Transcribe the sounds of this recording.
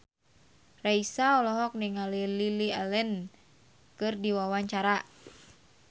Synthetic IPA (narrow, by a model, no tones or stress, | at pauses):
raisaɔlɔɦɔk̚niŋalililialɛn | kɨrdiwawaɲt͡ʃaɾa